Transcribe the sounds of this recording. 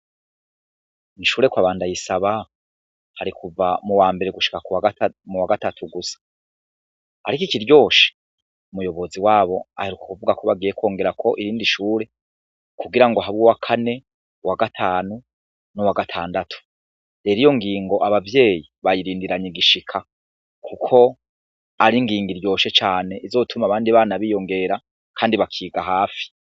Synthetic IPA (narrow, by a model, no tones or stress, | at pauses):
niʃuːɾe̞kwaːβaːndajisaβa | haɾikuvamuwaːmbe̞ɾe̞ɡuʃi̥kakuwamuwaɡatatʰuɡusḁ | aɾikiciɾjo̞ːʃi̥ | umujo̞βo̞ziwaːβo̞a̰heɾukḁkuvuɡako̞βaɡiːje̞kwo̞ːŋɡe̞ɾakʰo̞ʔiɾiːndiʃuːɾe̞ | kuɡiɾaŋɡoɦaβuwakʰane̞ | waɡatʰaːnu | nuwaɡatʰaːndatʰu̥ | deɾijo̞ŋɡiːŋɡo̞ʔaβavje̞ːjiβajiɾiːndiɾaɲiɡiʃikʰa | kʰukʰo̞ | aɾiŋɡiːŋɡiɾjo̞ːʃe̞t͡ʃaːne̞ʔizo̞ːtʰumaβaːndiβaːnaβiːjo̞ŋɡe̞ɾa | kʰaːndiβakʰiːɡaɦaːfi̥